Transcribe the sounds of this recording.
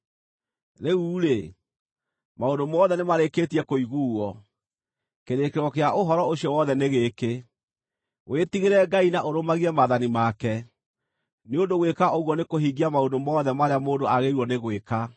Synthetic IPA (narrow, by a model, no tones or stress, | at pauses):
ɾeuːɾe | maondomɔðɛnemaɾeketiɛkoiɣuːɔ | keɾekeɾwɔkeaʔoɦɔɾɔoɕiɔwɔðɛneɣeːke | wetiɣeɾɛɡainaʔoɾomaɣiɛmaðanimakɛ | neondoɣwekaʔoɣwɔnekoɦiːɡiamaondomɔːðɛmaɾeamoːndoaɣeɾwɔneɣweka